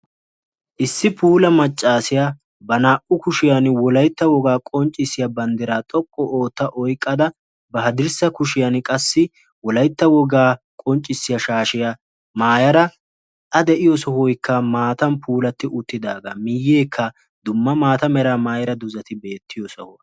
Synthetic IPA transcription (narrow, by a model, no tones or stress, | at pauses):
ʔɪsːɪpʰuːlɐmɐt͡ʃʼːaːsɪja | bɐnaːʔʊkʊʃɪjanwɔlɐjt̪ːɐwɔɡaːkʼɔnt͡ʃʼːɪsːɪjɐbɐnd̪ɛɾaːt̪ʼɔkʼːɔʔoːt̪ːɐʔɔjkʼːɐd̪ɐ | bɐɦɐd̪ɪɾsɐkʊʃɪjɐnkʼɐsːɪ | wɔlɐjt̪ːɐwɔɡaː | kʼɔnt͡ʃʼːɪsːɪjɐʃaːʃɪja | maːjɐɾɐ | ɐd̪ɛʔɪjɔsɔhɔjkːɐmaːt̪ɐmpʰuːlɐt̪ːɪʔʊt̪ːɪd̪aːɡɐ̰mɪjːeːkʰːɐ | d̪ʊmːɐmaːt̪ɐmɛɾaːmaːjɐɾɐd̪ʊzɐt̪ɪbe̞ːt̪ʰːɪjɔsɔhɔ